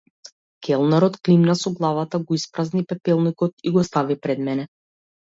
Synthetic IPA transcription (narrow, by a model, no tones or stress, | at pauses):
kʰʲɛlˠnaɾɔt̪klimnasɔɡlˠavat̪aɡɔispɾaznipɛpɛlˠnikɔt̪iɡɔst̪avipɾɛd̪mɛnɛ